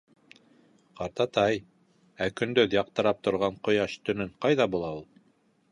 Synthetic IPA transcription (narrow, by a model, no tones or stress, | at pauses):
qɑɾt̪ɑt̪ɑj | ækɵ̆nd̪ɵðjɑq̚t̪ɤ̆ɾɑp̚t̪ŏɾʁɑɴqŏjɑʃt̪ɵ̆nɘɴqɑjðɑbulˠɑulˠ